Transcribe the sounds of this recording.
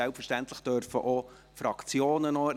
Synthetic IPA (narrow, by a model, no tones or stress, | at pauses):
ɛlpfəɾʃtæntlɪχd̥œɾfəʔo | fɾɑkt͡sjoːnənɔ